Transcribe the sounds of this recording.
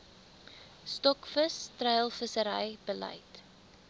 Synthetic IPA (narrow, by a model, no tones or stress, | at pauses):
stɔkfəstrəjəlˠfəsəɾəjbəlɐ̰jt